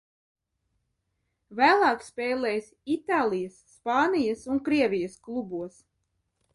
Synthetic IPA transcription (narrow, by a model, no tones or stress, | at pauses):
væːlˠɑːkspʲɛːlˠɛjsit̪aːlˠijasːpɑːnijɐsuŋkɾiɛvʲijɐsklˠubuɔs